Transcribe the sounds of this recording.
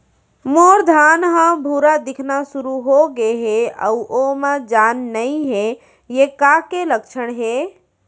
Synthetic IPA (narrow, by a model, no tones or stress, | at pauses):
moɾd̪ʱanɦə̃bʱuɾad̪ikʰnasuɾuɦoɡeɦeə̰uʔomed͡ʒanːəiɦe | jekakeləkt͡ʃʰəɽɦe